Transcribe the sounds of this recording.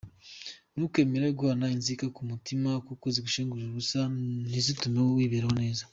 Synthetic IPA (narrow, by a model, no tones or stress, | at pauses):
nukwe̞ːmeɾeɡuhanainzikakumutimakokoziɡuʃeːŋɡuʒuβusanizitumewowiːβeɾeho̞ne̞ːza